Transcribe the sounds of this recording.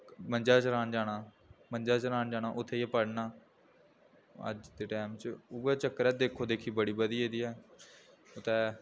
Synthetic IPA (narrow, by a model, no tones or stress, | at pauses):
mənd͡ʒaːt͡ʃɾaːnd͡ʒaːɽ̃aː | məɲd͡ʒaːt͡ʃɾaːnd͡ʒaːɽ̃aːʔʊt̪ʰːeːɛːpəɽnaː | ə̰d͡ʒd̪eːʈɛːmt͡ʃʊɛːt͡ʃəkːəɾɛːd̪eːkʰːoːd̪eːkʰiːbəɽiːbəd̪iːeːd̪iːɛː | ʊt̪ɛː